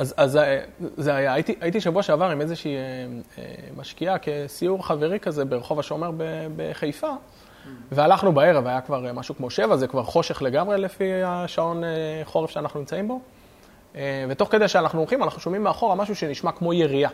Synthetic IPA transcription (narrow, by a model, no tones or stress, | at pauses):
azazzeajaːit̪iʔait̪iʃavuaʃeavaʁimezeʃiːeḛmaʃkiake̞siuʁχave̞ʁikaze̞be̞ʁeχo̞vaʃeomeʁbebḛχejfa | vealaχnubae̞ʁevajakvaʁmaʃukmo̞ʃe̞vazekvaʁχo̞ʃe̞χle̞ɡamʁe̞lefiaʃao̞neχo̞ʁefʃeanaχnunimt͡saimbo̞ | eve̞t̪o̞χke̞d̪elʃeanaχnuolχimanaχnuʃo̞mimːeaχo̞ʁamaʃuʃe̞niʃmakmo̞je̞ʁia